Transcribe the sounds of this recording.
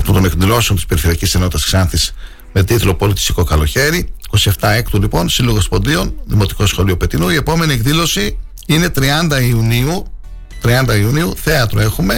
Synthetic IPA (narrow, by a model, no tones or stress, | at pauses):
t̪ot̪one̞k̪ðilo̞seo̞nt̪ispe̞ɾife̞ɾiɐcisenoit̪ɐsksɐnθis | me̞t̪iθlo̞po̞lit̪i̥st̪iko̞kɐlo̞çe̞ɾiiko̞sie̞ft̪ɐekt̪ulipo̞nsiloɣospo̞nd̪io̞nðimo̞t̪i̥ko̞sxo̞liopet̪inuie̞po̞me̞nie̞kðilo̞si | ine̞t̪ɾiɐnd̪ɐiuniu | t̪ɾiɐnd̪ɐiuniuθe̞ɐt̪ɾoe̞xume̞